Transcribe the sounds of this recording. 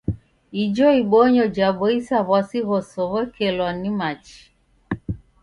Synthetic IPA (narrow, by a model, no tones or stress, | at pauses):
id͡ʒɔiɓoɲɔd͡ʒaɓɔisaβwasiɣɔsɔβɛkʰelwanimat͡ʃi̥